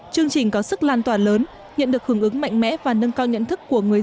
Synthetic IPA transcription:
t͡ɕɨ˧əŋt͡ɕï˨˩ŋ̟kɔ˨˦sɨ˦˥k̚laː˧˩nt̪waː˧˩nləː˨˦n | ɲə̰˧˨nɗɨ˨˩ək̚hɨ˧˩əŋʔɨ˨˦ŋma̰˧˨jŋ̟mɛ̰˧˥vaː˨˩nə˧nkaː˧wɲə̰˧˨nt̪ʰɨ˦˥kːu˧˩əŋɨ˨˩əj

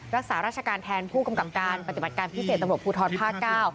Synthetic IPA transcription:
ɾa˦˥k̚saː˩˦ɾaː˥˩t͡ɕʰa˧kaː˧nt̪ʰɛː˧npʰuː˥˩ka˧mka˨˩p̚kaː˧npa˩t̪i˨˩ba˨˩t̪̚kaː˧npʰi˦˥seː˨˩t̪̚ɾa˧ɾu˨˩pʰːuː˧t̪ʰɔː˧npʰaː˥˩kːaː˥˩w

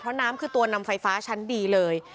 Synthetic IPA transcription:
pʰɾɔ˦˥naː˦˥mkʰɯː˧t̪u˧ɐna˧mfa˧jfaː˦˥t͡ɕʰa˦˥ndiː˧lɤː˧j

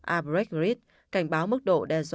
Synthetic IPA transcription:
ʔaː˧p̚ɹɛ˦˥k̚ɹi˦˥t̚ | ka˧˩jŋ̟ɓaː˨˦wmɨ˦˥k̚ɗo̰˧˨ɗɛ˨˩zw

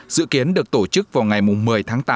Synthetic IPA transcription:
zɨ̰˧˨ki˨˦ənɗɨ˨˩ək̚t̪o˧˩t͡ɕɨ˦˥k̚vaː˨˩wŋa˨˩jmʊ˨˩ŋ͡mmɨ˨˩əjt̪ʰaː˨˦ŋt̪aː˨˧

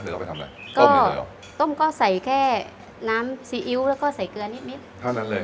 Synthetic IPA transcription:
ɯ˨˧˩a˧˩pa˧t̪ʰa˧mla̰˧˩jkɔː˧˥˩ | t̪o˥˩mkɔː˥˩sa˨˩jkʰɛː˥˩ | naː˦˥msiː˧ʔi˧˦˥wlɛː˦˥wkɔː˥˩sa˨˩jkɯ˧ɐ˧ni˦˥t̪̚ni˦˥t̪̚ʰa˥˩na˧˦leː˧

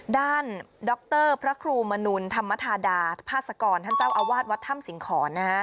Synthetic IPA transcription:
daː˥˩ndɔ˦˥k̚t̪ɤː˥˩pʰɾa˦˥kʰɾuː˧ma˧nu˧nt̪ʰa˧mːa˦˥t̪ʰaː˧daː˧pʰaː˥˩t̪̚sa˧kɔː˧nt̪ʰa˥˩t͡ɕa˥˩wʔa˧waː˥˩t̪̚wa˦˥t̪ʰːa˥˩msi˩˦ŋkʰɔː˩˦na˧˦˥

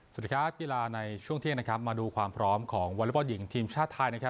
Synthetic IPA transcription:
sa˨˩kʰaː˦˥p̚kiː˧laː˧na˧jt͡ɕʰu˥˩əŋt̪i˥˩ŋna˥kʰa˦˥p̚maː˧duː˧kʰwaː˧mpʰɾɔː˦˥mkʰɔː˩˦ŋwa˧lu˦˥p̚ɔ˧˩ji˩˦ŋt̪ʰiː˧mt͡ɕʰaː˥˩t̪ʰːaː˧jna˦˥kʰa˦˥

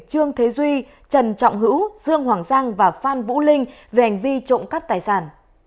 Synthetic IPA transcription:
t͡ɕɨ˧əŋt̪ʰe˨˦zwi˧ | t͡ɕə˨˩nt͡ɕɔ̰˧˨wŋ͡mɦɨ̰˧˥wz̥ɨ˧əŋhwaː˨˩ŋzaː˧ŋvaː˨˩faː˧nvṵ˧˥lï˧ŋ̟ve˨˩ha˨˩jŋ̟vi˧t͡ɕo̰˧˨ŋ͡mkaː˦˥p̚t̪aː˨˩jsaː˧˩n

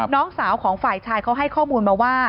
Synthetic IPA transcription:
nɔː˦˥ŋsaː˩˦wkʰɔː˩˦ŋfaː˨˩jt͡ɕʰaː˧jkʰa˦˥wɦa˥˩jkʰɔː˥˩muː˧nmaː˧waː˥˩

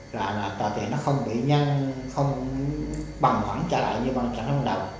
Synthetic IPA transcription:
zaː˨˩laː˨˩t̪waː˨˩t̪ḭ˨˩ənːɔ˨˦xə˧wŋ͡mɓḭ˧˨ɲa˧nxə˧wŋ͡m | ɓa˨˩ŋthwaː˧˦nt͡ɕaː˧˦la̰ː˧˨jɲɨ˧ɓa˨˩ŋt͡ɕa̰˧˩˦n˧wa˧˩ɗə˨˩w

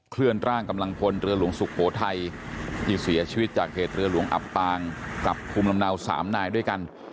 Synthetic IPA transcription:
kʰlɯ˥˩ənɾaː˥˩ŋka˧mla˧ŋpʰo˧nɾɯ˧ɐlu˩˦əŋsu˨˩k̚ʰhoː˩˦t̪ʰa˧jt͡ɕʰi˧˩si˩˦ɐt͡ɕʰi˧wt̪̚t͡ɕaː˨˩k̚heː˨˩t̪̚ɾɯ˧ɐlu˩˦əŋʔa̰˨˩pːaː˧ŋkla˨˩pʰːuː˧mla˧mna˧wsa̰ː˩˦mnaː˧jdu˥˩əjka˧n

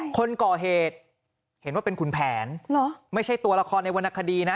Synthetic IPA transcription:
kʰo˧nkɔː˨˩ɦeː˨˩t̪̚ | he˩˦nwaː˥˩pe˧nkʰu˨˩˦npʰɛː˩˦nlɔ˨˦ma˥˩jt͡ɕʰa˥˩jt̪u˧ɐla˧kʰɔː˧nːa˧jwa˧nʔa˧˩kʰːa˧diː˧na˦˥

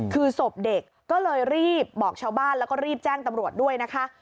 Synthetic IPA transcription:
kʰɯː˧so˨˩p̚de˨˩kːɔː˥˩lɤː˧jɾiː˥˩p̚bɔː˨˩k̚t͡ɕʰaː˦˥wbaː˥˩nlɛː˦˥wkɔː˥˩ɾiː˥˩p̚t͡ɕɛː˥˩ŋt̪a˧mɾu˨˩ət̪̚du˥˩əjna˦˥kʰa˦˥ʔ

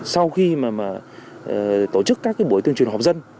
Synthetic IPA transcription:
sa˧wxi˧maː˨˩maː˨˩ʔt̪o˧˩t͡ɕɨ˦˥kːaː˦˥k̚ːaː˨˦jɓu˧˩ət̪ɨ˧əŋt͡ɕi˨˩ha˨˩p̚zə˧n

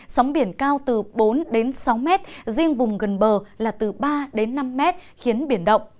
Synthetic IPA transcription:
sɔ˨˦wŋ͡mɓi˧˩ənkaː˧wt̪ɨ˨˩ɓo˨˦nɗe˨˦nsa˨˦wmɛ˦˥t̚zi˧əŋvʊ˨˩ŋ͡mɣə˨˩nɓəː˨˩laː˨˩t̪ɨ˨˩ɓaː˧ɗe˨˦nːa˧mːɛ˦˥t̚xi˨˦ənɓi˧˩ənɗə̰˧˨wŋ͡m

